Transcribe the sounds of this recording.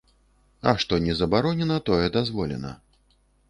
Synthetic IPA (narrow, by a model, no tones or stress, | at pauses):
ɐ̰ʂt̪ɔnʲɛzɐbaɾɔnʲɛnɐt̪ɔjɛd̪azvɔlʲɛ̰nɐ̰